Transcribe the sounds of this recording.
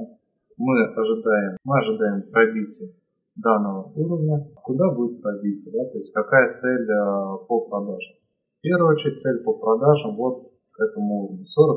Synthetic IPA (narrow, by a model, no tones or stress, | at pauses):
mɨɐʐɨd̪ajɪmmɨɐʐɨd̪ajɪmp̪ɾɐbʲit̪ʲɪ | d̪anːəvəuɾəvnʲəkʊd̪abudʲɪt̪p̪ɾɐbʲit̪ʲɪd̪at̪o̞ɪsʲtʲkɐkajət̪sɛlʲpəpɾɐd̪aʐɨm | fpʲe̞rvʊɨot͡ɕɪɾʲt̚ʲt̪sɛlʲpəpɾɐd̪aʐəmvo̞t̪̚ | kɛt̪əmʊuɾəvnʲʊsoɾək